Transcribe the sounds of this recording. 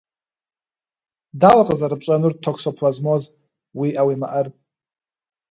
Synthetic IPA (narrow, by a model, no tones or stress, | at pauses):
dalqʼəzaɾɨpʼt͡ʃʷʼanɨr̚tʰokʷsopʰlazmoz | wiʔawima̰ʔər